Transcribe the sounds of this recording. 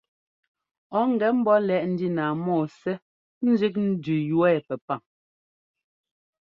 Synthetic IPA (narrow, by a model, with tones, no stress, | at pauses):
ɔ˨˦ŋ˨ɡɛ˨m̩˦bɔ˦lɛ˨ʔn̩˦di˦naː˨mɔː˦˨sɛ˦ | n̩˦zi˦k̬̚n̩˦dʉ˨jwɛː˦˨pɛ˨pa˨ŋ